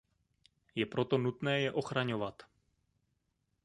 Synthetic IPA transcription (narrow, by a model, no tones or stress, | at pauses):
jɛpɾo̞t̪o̞nut̪nɛːjɛʔo̞xɾaɲovat̪